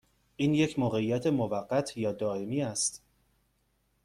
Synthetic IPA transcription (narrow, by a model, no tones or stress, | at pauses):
ʔiːnje̞cʰmoːɣe̞ijæt̪ʰe̞movæɢːæt̪ʰjɒːd̪ɒːe̞miːæst̪